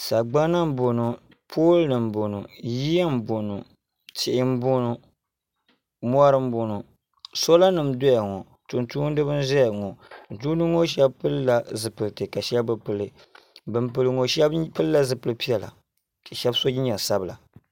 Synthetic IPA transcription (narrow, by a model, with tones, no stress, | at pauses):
sa˨ɡ͡ba˦na˦m̩˦bo˨nu˨ | pʰoː˦lnɨ˨m˨bo˨nu˨ji˦a˦m̩˦bo˨nu˨ | tɪ˦ʔɪ˦m˦bo˦nu˨ | mʷ˦a˦ɾɨ˦m˦bo˨nu˨ | so˦la˦nɨ˨mdɔ˦ja˨ŋɔ˨ | tu˨ntu˦n˦dɨ˦bɨ˦n˦ʒɛ˦ja˨ŋɔ˨duː˦nɨ˦ŋo˦ʃ̬ɛ˦bpɨ˦lla˨zɨ˨pɨ˨ltɨ˨ka˨ʃɛ˦bɨ˨pɨ˦˨lɨ˨ | bɨ˦mpɨ˦lɨ˦ŋo˦ʃɛ˦bpɨ˦lla˦zɨ˨pɨ˨lɨ˦pi˦ɛ˨la̰˨ | ʃɛ˦bso˦i˦ɲɛ˨lsa˦bɨ˨la̰˨